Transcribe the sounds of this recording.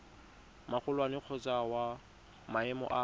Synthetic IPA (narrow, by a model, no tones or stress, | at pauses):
mak͡xʰʊlwanɪq͡χʰɔt͡sʼawa | maɛmɔ̰ʔa